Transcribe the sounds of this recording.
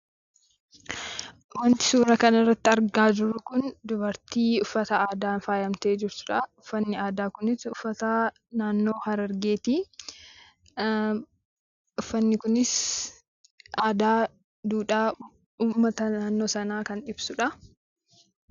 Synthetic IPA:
wɐnt̪ɪ̥suːɾɐkɐnɐrːɐt̪ːɪɐɾɡaːd͡ʒɪrːʊkʊnd̪ʊbɐɾt̪iːʊfːɐt̪ɐaːd̪aːnfaːjɐmt̪eːd͡ʒɪɾt̪ʊ̥ᶑɐʊfːɐnːɪaːd̪aːkʊnɪsʊfːɐt̪ɐ | naːnːo̞ːhɐɾɐɾɡe̞ːt̪iː | ʊfːɐnːɪkʊnɪs | ʔaːd̪aː | d̪uːᶑaː | uːmːɐt̪ɐnaːnːo̞ːsɐnaːkɐnɪbsʊᶑɐ

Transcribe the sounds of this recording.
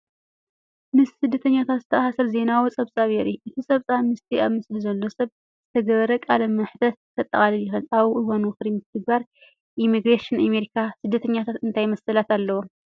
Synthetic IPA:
mɨssɨd̪ːɐt̪ʰɐɲːat̪ʰat̪zɨ̥t̪ʰɐʔahsɨɾze̞nawot͡sʼɐβsʼaβɛɾiʔɨt̪ʰisʼɐβsʼamɨst̪ʰiaβmɨslizɐlːo̞sɐβ | z̥ɨt̪ʰɐɡɐβɐɾɐkʼalɐmɨħt̪ʰɐt̪t̪ʰːɐt̪ʼːɐ̰χʼaliljɪxɨlaβɨwonwɨxɾimɨt̪ʰɨɡ̚baɾ | ʔimiɡɾeʃɨnameɾikʰasɨd̪ːɐt̪ʰɐɲːat̪ʰat̪ɨnt̪ʰajmɐsɐlat̪alːɐwo

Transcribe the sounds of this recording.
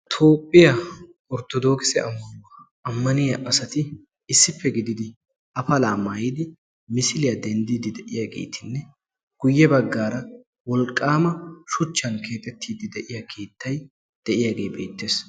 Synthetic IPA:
t̪ʰo̞ːpʼːɪjɐ | ɔɾt̪ɔd̪o̞ːkɪsɛɐmːɐnwɐ | ɐmːɐnɪjɐʔɐsɐt̪ɪ | ɪsːɪpːɛɡɪd̪ɪd̪ɪ | ɐfɐlaːmaːjiːd̪ɪ | mɪsɪlɪjɐd̪ɛnd̪id̪ɪd̪ɛʔɪjaːɡe̞̰ːt̪ʰɪnːɛ | ɡ̥ʊjːɛbɐɡːaːɾɐ | wɔlkʼːaːmɐʃʊt͡ʃːɐnkʰe̞ːt̪ʼɛt̪ːiːd̪ɪd̪ɛʔɪjakʰe̞ːt̪ːɐj | d̪̥ɛʔɪjaːɡe̞ːbe̞ːt̪ːe̞ːs

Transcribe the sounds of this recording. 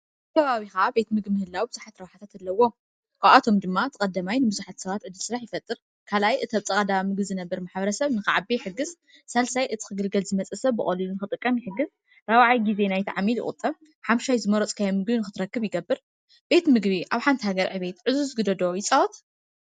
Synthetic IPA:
t̪ʰɐβaβixɐʔabe̞t̪mɨɡbimɨhɨlːawibɨzuħat̪ɾɐwħat̪ʰat̪ɨlːɐwːo̞ | kʰaβʔat̪ʰo̞md̪ɨmːat̪ʰɨkʼɐd̪ːɐmajnɨbɨzuħat̪sɐβat̪ʕɨd̪ːɨlsɨɾaħjɪfɐt̪ʼːɨɾ | kʰalajʔɨt̪ʰɐβt͡sʼɐkʼɐd̪amɨɡbzɨnɐbːɐɾmaħbɐɾɐsɐβnɨxɨʕabijħɨɡːɨz | salsajʔɨt̪ʰi̥kɨɡɨlɡɐlzɨmɐt͡sʼɐsɐβːɨχʼɐlɨlunɨxɨt̪ʼɨkʼːɐmjɪħɨɡːɨz | ɾɐwaʕajɡize̞najt̪ʰaʕamiljɪ̰χʼʊ̰t̪ʼɐβ | ħamʃajzɨmɐɾot͡sʼkʰajɐmɨɡbinɨxɨt̪ʰɨɾɐkːɨβjɪɡɐbːɨɾ | b̥e̞t̪mɨɡbiʔaβħant̪ʰihaɡɐɾʕɨβe̞t̪ʕɨzuzɨɡɨd̪ɐd̪ojɪt͡sʼɐwt̪

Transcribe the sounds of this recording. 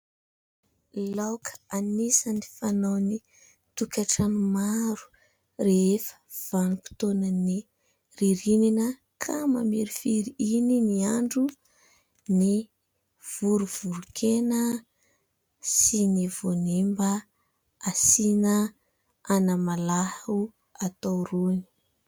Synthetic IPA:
lawkʰə̥anisənifanawni | t̪ukʲaʈ͡ʂanumaɾu̥ | reefə̥v̥anuku̥t̪onəni | riɾininə | kʰama̰miɾifiɾiininiaɳɖ͡ʐu | ni | v̥uɾuv̥uɾukʰenə | sinivonembə | asinə | anamalahu | at̪awroni̥

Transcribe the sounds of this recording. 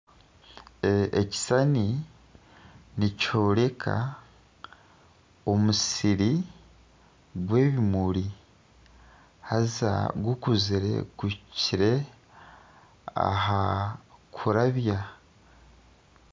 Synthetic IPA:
eci̥sani | nico̞ːɾe̞kʰa̰ | o̞musiɾi | ɡwe̞ːβimuɾi | haza̰ɡukuziɾe̞̰kuciɾe̞ | a̰ɦakʰuɾaβja

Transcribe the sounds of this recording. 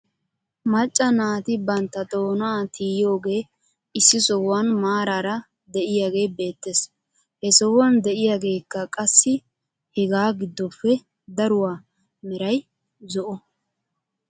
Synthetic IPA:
mɐt͡ʃʼːɐnaːt̪ɪbɐnt̪ːɐt̪ʼo̞ːnaːt̪iːjo̞ːɡe̞ː | ɪsːɪsɔwwanmaːɾaːɾɐ | d̪ɛʔɪjaːɡe̞ːbe̞ːt̪ːes | hɛsɔwɐnd̪ɛʔɪjaːɡe̞ːkːɐkʼɐsːɪ | hɛɡaːɡɪd̪ːɔpːɛ | d̪ɐɾʊwaː | mɛɾɐj | zɔʔɔ

